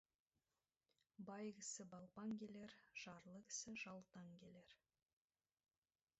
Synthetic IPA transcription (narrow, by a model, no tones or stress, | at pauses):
bɑjɡʲɪsɪbɑlˠpɑŋkʲe̞le̞ɾʒ̥ɑɾlˠəɡʲɪ̥sɪʒɑlˠt̪ɑŋkʲe̞le̞ɾ